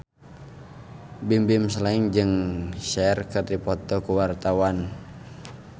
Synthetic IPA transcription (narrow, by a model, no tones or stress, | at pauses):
bimbimsəlaiŋd͡ʒɨŋʃɛrkɨrdipɔt̪ɔkuwart̪awan